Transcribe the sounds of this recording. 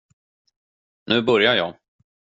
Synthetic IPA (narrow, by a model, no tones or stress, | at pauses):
nʉ̟ːbœɾjajɑː